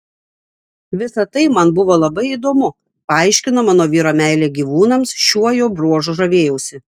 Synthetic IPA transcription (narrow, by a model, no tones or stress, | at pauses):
ʋʲɪsɐt̪ɐɪmɐnbʊʋoːlˠɐbɐɪid̪oːmʊ | pɐɐɪʃʲkʲɪnoːmɑːnoːʋʲiːɾoːmʲæˑɪlʲeːɡʲiːʋuːnɐmsʃʲuɔjoːbɾuɔʒʊʒɐʋʲeːjɛʊsʲɪ